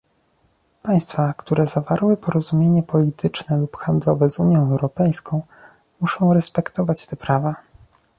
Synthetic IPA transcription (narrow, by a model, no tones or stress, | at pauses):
paj̃st̪fakt̪uɾɛzavaɾwɘpɔɾɔzumʲjeɲɛpɔlʲit̪ʰɘt͡ʂnɛlupxand̪lɔvɛzuɲjɔ̃w̃ɛwɾɔpɛjskʰɔ̃w̃ | muʂɔ̃w̃ɾɛspɛkt̪ɔvat͡ɕt̪ɛpɾava